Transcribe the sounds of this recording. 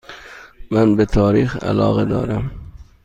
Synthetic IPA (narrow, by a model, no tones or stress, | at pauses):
mænbet̪ʰɒːɾiːxæ̰lɒ̰ːɣed̪ɒ̰ːɾæm